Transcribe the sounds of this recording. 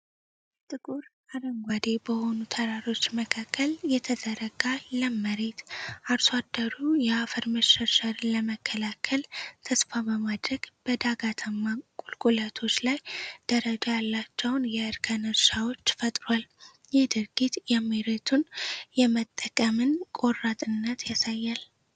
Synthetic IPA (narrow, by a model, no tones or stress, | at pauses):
t̪ʼɨkʼuɾ | aɾəŋɡʷad̪e̞bəho̞nut̪ʰəɾaɾo̞t͡ʃːməkʰakːəljɛt̪ʰəd̪əɾəɡaləməɾe̞t̪aɾswad̪ːəɾujɛafəɾməʃəʃaɾləməkʰːəlakʰəlt̪ʰəsfabəmad̪ɾəɡ̥b̥əd̪aɡat̪ʰəmːakʼulkʼulət̪ʰo̞t͡ʃːlajd̪̥əɾəd͡ʒajalːat͡ʃːɛwnjɛɨɾkʰənəɾʃawo̞t͡ʃːfət̪ʼɾal | jɪhd̪ɨɾɡit̪jɛmeɾet̪ʰunjɛmət̪ʼːəkʼəmɨnkʼo̞rat̪ʼɨnːət̪jasajːal